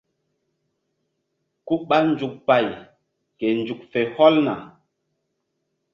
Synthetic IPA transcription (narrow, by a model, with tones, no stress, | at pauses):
ku˦ɓa˦n̩˨d͡ʒu˨k̚pa˦˨j | ke˨n̩˨d͡ʒu˨k̚fe˨hɔ˦lna̰˨